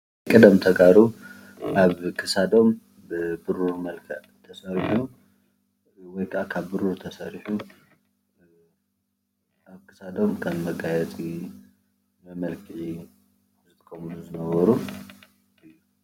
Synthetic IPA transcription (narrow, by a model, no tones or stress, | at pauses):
kʼɨd̪ɐmt̪ʰɐɡaɾu | ʔaβkʰɨsad̪o̞m | bɨbɨɾuɾmɐlkʰɐʕt̪ʰɐsɐɾiħu | wɔjkʰaʔakʰaβːɨɾuɾt̪ʰɐsɐɾiħu | ʔaβkʰɨ̥sad̪o̞mkʰɐmːɐɡajɛt͡sʼi | mɐmɐlkʰɨʕi | zɨt̪ʰɨ̥kʰɐmuluzɨnɐβɐɾu | ʔɨjːu